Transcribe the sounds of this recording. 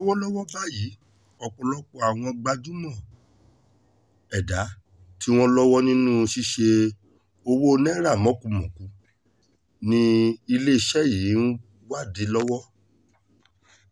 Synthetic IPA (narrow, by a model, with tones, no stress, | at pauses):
wɔ˦lɔ˦wɔ˦ba˦˨ji˨˦ | ɔ˧k͡pɔ˧lɔ˦k͡pɔ˧a˨w̃ɔ̃˧ɡ͡ba˧d͡ʒu˦mɔ̃˦˨ | ɛ˨da˨˦ | ti˦w̃ɔ̃˦lɔ˦wɔ˦nĩ˦nũ˦˧ʃi˦ʃe˧ | o˧wo˦˧nɛ˦ɾa˦˨mɔ̃˨˦˨kũ˨˦mɔ̃˨kũ˨˦ | nĩ˧i˧le˦i˧ʃɛ˦˨ji˨˦ | wa˦˨di˨˦lɔ˦wɔ˦